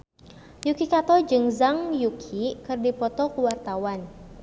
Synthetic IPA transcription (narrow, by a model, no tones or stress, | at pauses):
jukikat̪ɔd͡ʒɨŋzaŋjukʰikɨrdipɔt̪ɔkuwart̪awan